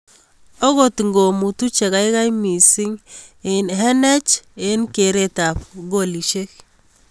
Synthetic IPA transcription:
o˦ɣo˦tŋɡo˨mu˨tu˦t͡ʃe˨ɣa˦i˦ka˦jmi˨si˦ŋe˨nɦɛ˦nɛ˦t͡ʃe˦nke˨ɾe˨ta˨pɡo˨li˨ʃe˦k

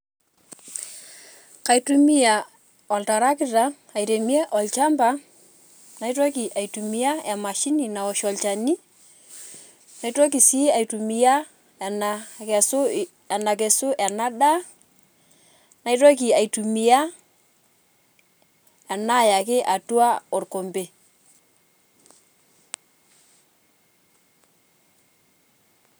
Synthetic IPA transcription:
ka˨itu˦mi˦ja˨ | ɔ˨lta˨ɾa˦kɪ˦ta˦ | a˨jɾe˨mi˦e˦ʔɔ˨lt͡ʃa˦mba˦ | na˨i˦to˦ki˨ʔa˨jtu˨mi˦ja˦ɛ˨ma˨ʃi˦ni˨na˨ɔ˨ʃɔ˨lt͡ʃa˨ni˦ | na˨ito˦k̬i˨si˦a˨jtu˨mi˨˦ja˦˨ | nakɛ˨sʊ˦ | ɛ˨na˨k̬ɛ˨sʊ˦ʔɛ˨na˦ɗa˦ | na˨i˦two˦k̬i˨a˨jtu˨mi˨ja˦ | ɛ˨na˦˨ja˨kɪ˦ʔa˨tu˦a˦ɔ˨ɾko˨mbe˨

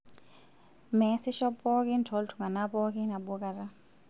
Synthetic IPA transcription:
mɛ˨si˦ʃɔ˦pɔ˦ki˦ntʰɔ˨˦ltʰu˨ŋa˨na˦pɔ˦ki˦na˨ɓu˦ka˨ɾa˦

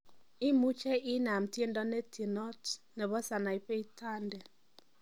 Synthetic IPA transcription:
i˦mu˦t͡ʃɛ˦ʔi˦na˨mtje˦ndɔ˦nɛ˦tʰi˨nɔ˦tnɛ˨bɔ˦sa˨na˨i˨pe˦i˦tʰa˦ndɛ˨

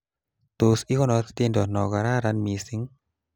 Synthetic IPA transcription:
t̪o˨sɪ˦kɔ˦nɔ˨˦t̪t̪e˦ndɔ˨nɔ˨ɡa˨ɾa˦ɾa˦nmi˨sɪ˦ŋ

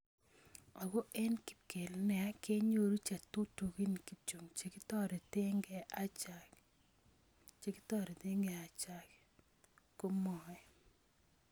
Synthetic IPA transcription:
ɔ˨ɡo˦ʔɛ˦nki̥˨ke˨lnɛ˨a˦ke˦ɲo˨ɾu˦t͡ʃa˨tu˦to˨ki˦ni˨ki˨t͡ʃo˨ŋt͡ʃe˨ki˦tɔ˦ɾe˨tɪ˦ŋɡɛ˨ʔa˦t͡ʃa˨k | t͡ʃe˨kɪ̥˦tɔ˦ɾe˨t̪ɪ˦ŋɡɛ˨a˨t͡ʃa˨k | ko˦mɔ˨ɛ˨

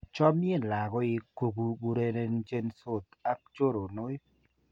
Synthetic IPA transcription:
t͡ʃɔ˦mje˦˨nla˨ɡɔ˦i˨ko˨ɡu˧bu˧ɾe˦˧ne˧nd͡ʒe˦nso˦˨t̪a˦k̚t͡ʃo˦ɾo˨no˦j

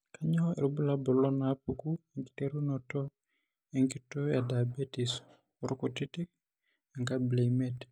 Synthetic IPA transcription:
kʰa˦ɲɔ˦e˨ɾu˦bu˦la˦bɔ˨lɔ˦napuku˦e˨ŋki̥˨te˦ɾu˦nɔ˨tɔ˦ | eŋki˦tɔ˦ja˨da˨a˨be˦ti˨s | ɔɾɔ˦kɔ˨ti˦ti˦k̚ | a˨ŋka˦ble˨imet

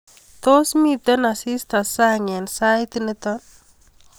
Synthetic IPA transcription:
t̪o˦smi˦t̪ɔ˦na˨si˦st̪a˨sa˦ŋɛ˨nsa˦jt̪inət̪ɔ˦n

